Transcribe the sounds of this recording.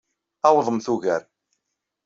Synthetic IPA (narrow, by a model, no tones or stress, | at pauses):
awəðˤəmθuʝəɾ